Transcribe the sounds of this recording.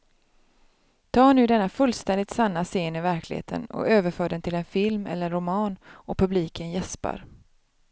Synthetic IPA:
t̪ʰɑːɳʉ̟ːd̪ɛnːafɵlst̪ɛnd̪ɪt̪sanːaseːnɪvæɾklɪ̰hḛːt̪ʰə̰nɔ̰øːvəɾfœːɖɛnt̪ʰɪlɛnfɪlmɛ̰lːənɾʊmɑːnɔpʰɵbliːkʰənjɛspa̰ɾ

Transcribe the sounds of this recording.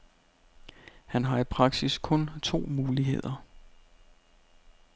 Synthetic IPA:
hænɦɑ̈ipʰʁɑ̈ɡ̥siskʰɔ̽nt͡sʰo̝̰ːmuːliɦe̝̰ð̞̰ˠɐ

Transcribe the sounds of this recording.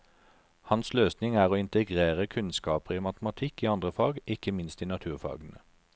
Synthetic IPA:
hɑnsløːsnɪŋæːʁoːɪnt̪əɡʁeːʁəkʰʉnskɑːpəʁiːmɑt̪mɑt̪ʰɪkiːɑnd̪ʁəfɑːɡʔɪkəmɪnst̪iːnɑt̪ʰʉːʁfɑ̰ːɡənə

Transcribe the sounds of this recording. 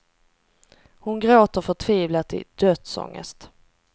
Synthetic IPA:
hʊnɡɾoːt̪əɾfœʈʰviːvlat̪ʰɪ̰d̪̥œːt̪sɔ̰ŋːə̰st̪

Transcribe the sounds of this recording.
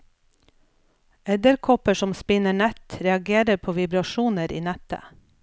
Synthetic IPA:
ɛd̪əɾkʰɔpəʃɔmspɪnəɳɛt̪ɾɛɑɡeːɾəɾpʰoːʋɪbɾɑʃuːnəɾḭːnɛt̪ə̰

